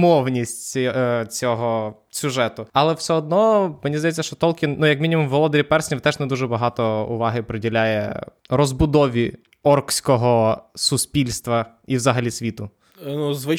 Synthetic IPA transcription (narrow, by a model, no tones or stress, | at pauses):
mɔwnʲisʲtʲt͡sʲɔɦɔ | sʲʊʒɛt̪ʊɐlˠɛwsɛɔd̪̚nɔmenʲizd̪ɐjɛt͡sʲːɐʃt͡ʃɔt̪ɔlʲkʲɪnnujɐkmʲinʲimʊmʋɔlˠɔd̪eɾʲipɛrsʲnʲit̪ɛʒnɛd̪uʒɛbɐɦɑt̪ɔʊ̰ʋɑɦɪpɾedʲilʲajɛ̰ | rɔzbʊd̪ɔʋʲi | ɔrksʲkɔɦɔsʊsʲpʲilʲst̪ʋɐ | iwzɐɦɐlʲisʲʋʲit̪ʊ | nuzʋɪ